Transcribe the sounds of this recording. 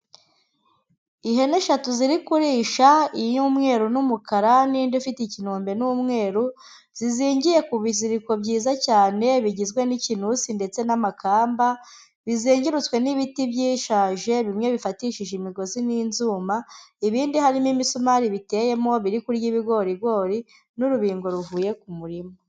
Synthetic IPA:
iɦe̞neʃatuziɾikuɾiːʃaiɲuːmŋe̞ːɾunumukaɾaniːndufiticinoːmbe̞numŋe̞ːɾu | z̥iziːɲɟije̞kuβiziɾiko̞bɟiːzacaːne̞βiɟizɡwe̞nicinusinde̞t͡se̞namakʰaːmba | βiziːɲɟiɾut͡swe̞niβitibjiːʃaːʒe̞βimɲe̞βifatiʃiʒimiɡo̞ziniːnzuːmaiβiːndihaɾimimisumaɾiβite̞ːje̞moβiɾikuɾɟiːβiɡo̞ɾiɡwo̞ːɾi | nuɾuβiːŋɡo̞ɾuvuːje̞kumuɾimo

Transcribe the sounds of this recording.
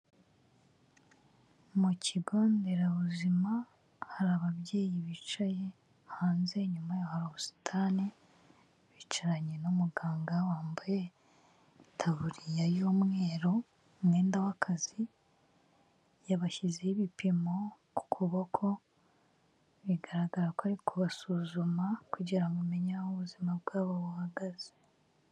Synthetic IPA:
muciɡoːnde̞ɾaβuzima | haɾaβaβje̞ːjiβit͡ʃaje̞ | haːnze̞ɲumajahaɾoosi̥tʰani | βit͡ʃaɾaɲenumuɡaːŋɡawaːmbaje | tʰaβuɾijajoːmŋe̞ːɾo̞ | mɡe̞ːndawakʰazi | jaβaʃizeiβipimo̞ku̥kʰuβokʰo̞ | βiɡaɾaɡaɾakoaɾikʰuβasuːzumakuɟiɾamume̞ɲahoβuzimabɡaːβaβuhaɡaze

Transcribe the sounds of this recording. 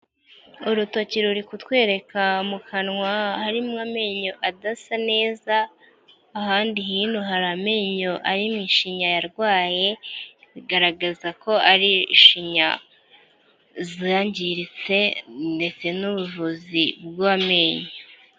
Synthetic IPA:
uɾuto̞ciɾuɾikutwe̞ːɾe̞kamukʰanŋwahaɾimŋame̞ɲo̞ʔadasane̞ːzaː | haːndihiːnhuɦaɾame̞ɲo̞ʔaɾimŋiːʃiɲajaɾɡwaːje̞iɡaɾaɡazako̞ʔaɾiʃiɲa̰ | zaɲɟiɾit͡se̞nde̞t͡se̞nuβuvuzibɡaame̞ɲo

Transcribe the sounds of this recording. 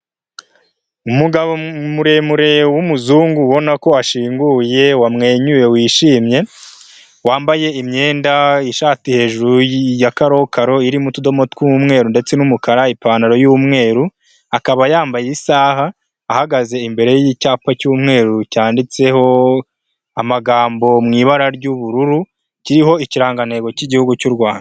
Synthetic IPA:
umuɡaβomuɾe̞muɾe̞wumuzuːŋɡuβo̞nako̞aʃiːŋɡuje̞wamŋe̞ːɲuje̞wiːʃiːmɲe̞ | waːmbaje̞imɲe̞ːndaiʃaːtihe̞ːʒuɾujakaɾo̞kaɾo̞iɾimutudo̞motkuumŋe̞ːɾunde̞t͡se̞numukaɾaipaːnaɾo̞jumŋe̞ːɾu | akaβajaːmbajeisaːhaː | haɡaze̞imbe̞ɾe̞jjicaːpacuːmŋe̞ːɾucaːndit͡se̞ho̞ | amaɡaːmbo̞mŋiːβaɾaɾɟuβuɾuɾu | ciɾiɦo̞iciɾaːŋɡane̞ɡo̞ciɟihuɡucuɾɡwaːnda

